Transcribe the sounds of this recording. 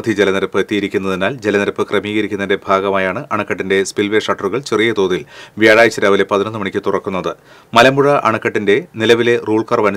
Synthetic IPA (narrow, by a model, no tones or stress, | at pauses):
d̪ʱid͡ʑe̞lɐnɐɾɐpːɨet̪ːijiɾikʲːunːɐðinaːld͡ʑelɐnɐɾɐpːɨkrɐmiːɣɐɾikʲːunːinde̞bʱaːɡɐmaːjaːɳɨʔɐɳɐkːɐʈːinde̞spilʋe̞ʂɐʈːɐruɣɐɭt͡ɕe̞rijɐt̪o̞ːðilʋjaːɻaːjit͡ɕːɐɾaːʋilepɐðinonːɨmɐɳikʲːɨt̪urɐkːunːɐðɨ | mɐlɐmbuɻɐʔɐɳɐkːɐʈːinde̞nilɐʋile̞ruːɭkɐrʋɐnu